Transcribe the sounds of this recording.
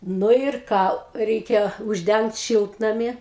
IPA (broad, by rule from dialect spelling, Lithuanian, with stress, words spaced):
ˈnʊ ɪr ˈkɑː ˈrʲɛɪkʲɛ ʊʒʲˈdʲɛŋkt ˈʃʲɪlˠtnɐmʲɪ